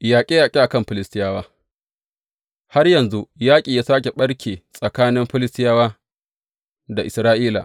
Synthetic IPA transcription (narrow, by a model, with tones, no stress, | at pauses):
jaː˨kʲʼeː˦ja˨kʲʼeː˦ʔa˨kɐ˦mɸɪ˦lɪ˦stɪ˦jaː˦waː˦ | ha˦rjɐ˨nzu˦jaː˦kʲʼiː˨jaː˦saː˦kʲe˨ɓɐ˦ɽkʲʰeː˨sʼɐ˨kaː˦nɪ˦mɸɪ˦lɪ˦stɪ˦jaː˦waː˦ | da˨ʔɪ˨sɾaː˦ʔiː˦la̰˨ʔ